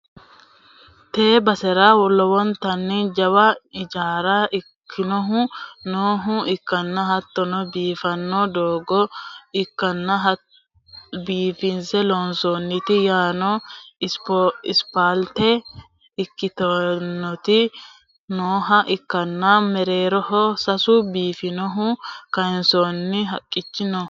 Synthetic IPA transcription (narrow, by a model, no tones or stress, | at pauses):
t̪eːbɐsɛɾaːwɔlːɔwɔnt̪ɐnːɪd͡ʒɐwɐɪd͡ʒaːɾɐʔɪkʰːɪnɔɦʊ̃noːɦʊɪkːɐnːɐɦɐt̪ːɔnɔbiːfɐnːɔd̪oːɡɔɪkːɐnːɐɦɐ | biːfɪnsɛlonsoːnːɪt̪ɪjaːnɔɪspɪspaːlt̪ɛ | ɪkːɪt̪ɔnːɔt̪ɪ | noːɦɐʔɪkːɐnːɐmɛɾeːɾɔhɔsɐsʊbiːfɪnɔɦʊkɐjɪnsonːɪɦɐkʼːɪt͡ʃːɪnɔ